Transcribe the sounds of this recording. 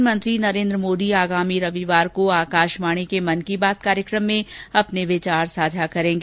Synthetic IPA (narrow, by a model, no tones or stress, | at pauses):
mə̃nt̪ɾinɐɾẽːnd̪ɾəmoːd̪iaːɡaːmiɾɐʋiʋaːɾkoaːkaːʃmaːɽ̃ekemɐnkibaːt̪̚kaːɾjəkɾəmːẽɐpneʋɪt͡ʃaːɾsaːd͡ʒʱakɐɾẽːɡeː